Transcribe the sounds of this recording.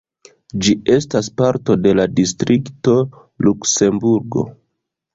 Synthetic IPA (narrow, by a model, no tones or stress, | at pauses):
d͡ʒie̞staspaɾto̞de̞ladistɾʔikto̞ | lukse̞mbuɾɡo̞̰